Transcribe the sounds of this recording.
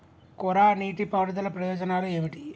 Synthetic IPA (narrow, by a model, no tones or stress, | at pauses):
kɔɾaːniːʈipaːɾɐd̪ɐlɐpɾɐjɔːd͡ʒɐnaːlue̞ːmiʈi